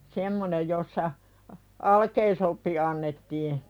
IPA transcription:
semːonej josːɑ ɑ ɑlkeisopːi ɑnːetːiː

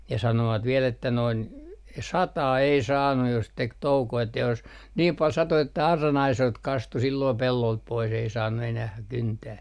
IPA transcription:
jɑ sɑnoʋɑt ʋiɛl etːæ noin sɑtɑː ei sɑːnːu jos tek toukoː etːæ jos niːm pɑl sɑto etːæ ɑrːɑn ɑisoilt kɑstu silːoː pelːolt pois ei sɑːnːu enæh kyntæː

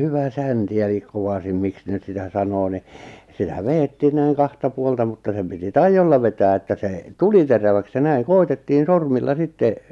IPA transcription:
hyʋæ sænti elik koʋɑsim miks ne ny̆t sitæ sɑnoː ni sitæ ʋeːtːiː næiŋ kɑhtɑ puoltɑ mutːɑ sem piti tɑijːolːɑ ʋetæː etːæ seˑ tuli teræʋæks jɑ næiŋ koitetːiːn̞ sormilːɑ sitːe

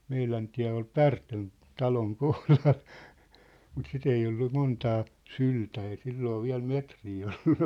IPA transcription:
meilæn tiæ̝ ol pærtøn tɑloŋ kohlɑl mut sit ei olːu montɑː syltæ ei silːoː ʋiæ̝l metriː olːu nĕ

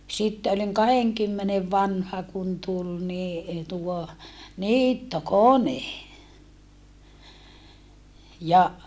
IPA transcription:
sitːe oliŋ kɑheŋkymːeneʋ ʋɑnhɑ kun tul ni tuo niːtːokone jɑ

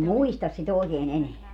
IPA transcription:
muistɑs sit oˑekeːn eneæ

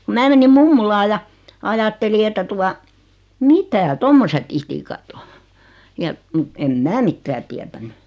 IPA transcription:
ku mæː menim mumːulɑː jɑ ɑjɑtːeli etːæ tuɑ mitæ tomːoset itikɑt o jɑ mŭt em mæː mitːæː tiætænːy

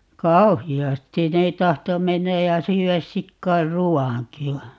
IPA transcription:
kɑuhiɑstin ne tɑhto menːæj jɑ syːæs sikːɑir ruwɑŋki ʋɑ

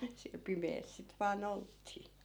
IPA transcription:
siæl̆ pimeːs sit ʋɑːn oltːiː

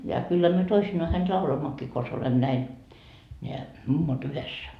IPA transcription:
jɑ kylːæ myø toisinːoɑ hænt lɑuloimːokːiː kons olem næin nʲeæ mumːot yhesːæ

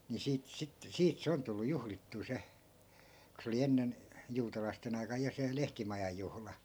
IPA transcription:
ni siːt sit siːt se on tulːu juhlitːuː se ku se oli enːen juːtɑlɑisten ɑi̯kɑj jɑ se lehtimɑjɑj̆ juhlɑ

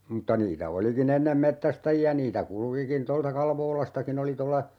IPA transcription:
m̩tːɑ niːtæ olikin enːem metːæstæjiæ niːtæ kulŭkikin toltɑ kɑlʋoːlɑstɑkin oli tolːɑ

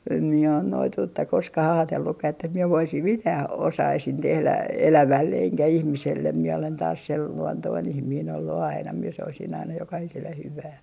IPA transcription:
em mie on noituːtːɑ koskɑh ɑːtelːukːɑh etːæ mie ʋoisim mitæː osɑisin tehlæ elæʋælːe eŋkæ ihmiselːem miɛ olen tɑːs sel luontoin ihmiːn olːu ɑinɑ mie soisin ɑinɑ jokɑhiselːe hyʋæː

